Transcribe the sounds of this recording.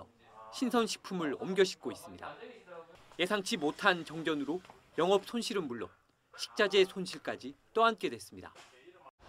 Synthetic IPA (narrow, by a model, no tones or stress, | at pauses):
ɕʰinsʰʌnɕʰi̥pʰumɯɾʌmɡjʌɕʰi̥k̚k͈ois͈ɯmɲida̰ | je̞sʰaŋt͡ɕʰimotʰant͡ɕʌŋd͡ʑʌnɯɾo | jʌŋʌp̚sʰonɕʰiɾɯnmuɭːʌ | ɕʰi̥k̚t͡ɕ͈ad͡ʑe̞sʰonɕʰiɭk͈ad͡ʑit͈ʌank͈e̞dwe̞s͈ɯmɲida̰